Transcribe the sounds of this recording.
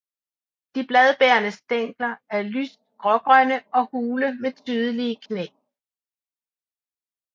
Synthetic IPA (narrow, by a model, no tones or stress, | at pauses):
d̥ib̥lɛð̞ˠb̥eɐnəsd̥eŋ̰ɡ̥lɐæɐlysd̥̚ɡ̥ʁɒɡ̥ʁœnəɒ̽huːləmet͡sʰyːð̞ˠəliəkʰnḛː